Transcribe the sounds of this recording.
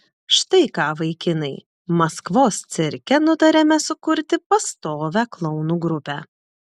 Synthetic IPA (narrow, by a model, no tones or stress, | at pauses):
ʃt̪ɐɪkɑːʋɐɪkʲɪnɐɪ | mɐskʋoːst̪sʲɪɾʲkʲɛnʊd̪ɐɾʲɛmʲɛsʊkʊɾʲt̪ʲɪpɐst̪oːʋʲæːklˠɒʊnuːɡɾʊpʲæː